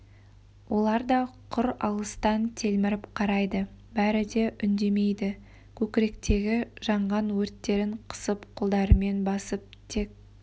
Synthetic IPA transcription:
wʔo̞lˠɑɾd̪ɑqʰʊɾɑ̰lˠəst̪ɑnt̪ʰe̞lmɪɾɪpqʰɑɾɑjd̪əbæɾɪd̪e̞ʔʏnd̪e̞me̞jd̪ɪ | kʲʰɵkʲɪɾe̞kt̪e̞ɡʲɪʒɑɴʁɑnwɵɾt̪ːe̞ɾɪɴqʰə̥səpqʰolˠd̪ɑɾəme̞nbɑsəp̚t̪ʰe̞k̚

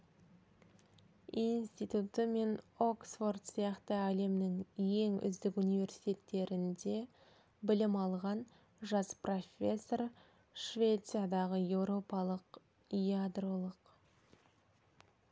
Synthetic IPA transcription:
inst̪ijt̪ut̪əme̞no̞ksfo̞rd̪sijɑqt̪əæle̞mnɪŋje̞ŋʏ̰zd̪ɪkunijvʲe̞ɾsi̥jt̪ʲe̞t̪ːe̞ɾɪnd̪e̞ | bɪlɪmɑlˠʁɑn | ʒɑspro̞fʲe̞sːo̞r | ʃvʲe̞t̪sijad̪ɑʁəje̞wɾo̞pɑlˠəq | jad̪ro̞lˠəq

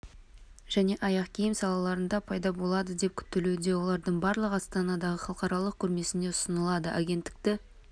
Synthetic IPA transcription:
ʒ̥æne̞ʔɑjɑqkʲʰijɪmsɑlˠɑlˠɑɾənd̪ɑpʰɑjd̪ɑbo̞lˠɑd̪əd̪e̞p̚kʲʰʏ̥t̪ːeled̪e̞wo̞lˠɑɾd̪əɴbɑɾlˠəqɑst̪ɑnɑd̪ɑʁəχɑlˠəqɑɾɑlˠəq̚kʲʰʏɾme̞sɪne̞ʊsənəlˠɑd̪əʔaɡʲe̞nt̪ːɪ̥k̚t̪ɪ

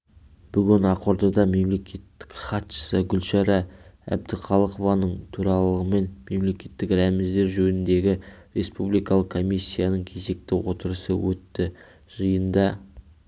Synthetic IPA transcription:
b̥ʏɡʲɪnɑqo̞ɾd̪ɑd̪ɑme̞mle̞kʲʰe̞t̪ːɪ̥kχɑt̪ʃə̥səɡʲʏlʃɑɾɑæ̰b̚d̪ɪχɑlˠəqovɑnəɴt̪ʰuɾɑlˠəʁəme̞nme̞mle̞kʲe̞t̪ːɪkɾæmɪzd̪e̞ɾʒɵnɪnd̪e̞ɡʲɪɾʲe̞spublˠijkɑlˠəqkʰːo̞mʲijsʲːijanəɴkʲʰe̞ze̞k̚t̪ɪwo̞t̪əɾəsəwɵt̪ːɪ | ʒ̥əjənd̪ɑ

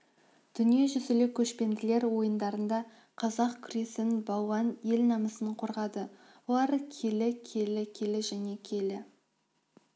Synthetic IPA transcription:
d̪̥ʏnije̞ʒʏzɪlɪkʲʰɵʃpe̞nd̪ɪle̞ɾwo̞jənd̪ɑɾənd̪ɑ | qʰɑzɑqkʲʰʏɾe̞sɪnbɑwɑnje̞lnɑməsəɴqʰoɾʁɑd̪ə | wolˠɑɾkʲʰe̞lɪkʲʰe̞lɪkʲʰe̞lɪʒæne̞kʲʰe̞lɪ

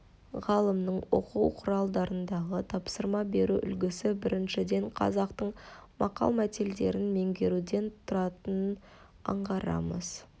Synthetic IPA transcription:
ʁɑlˠəmnəɴwo̰quwqʰʊɾɑlˠd̪ɑɾənd̪ɑʁət̪ʰɑpsəɾmɑbe̞ɾuʔʏ̰lɡʲɪsɪbɪɾɪnʃɪd̪e̞ɴqʰɑ̰zɑqt̪əɴmɑqɑ̰lˠmæt̪eld̪e̞̰ɾɪnme̞ŋɡʲe̞ɾud̪e̞nt̪ʰʊɾɑt̪ən | ɑ̰ɴʁɑɾɑ̰mə̰z̥

